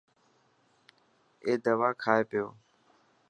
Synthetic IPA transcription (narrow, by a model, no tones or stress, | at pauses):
eːd̪əʋaːkʰaːeːpɪjoː